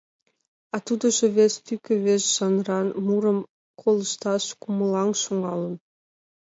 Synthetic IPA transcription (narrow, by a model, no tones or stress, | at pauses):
ɑt̪ud̪ɤ̆ʒĕβest̪ykʲĕβesʒɑnrɑnmuɾəm | kʰolˠə̆ʃt̪ɑʃkumə̆lˠɑŋʃuŋɑlə̆n